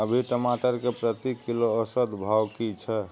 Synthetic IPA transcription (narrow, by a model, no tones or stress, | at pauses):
əbʱiʈəmaʈəɾkepɾət̪ikiloəsəd̪bʱawkit͡ʃʰɛ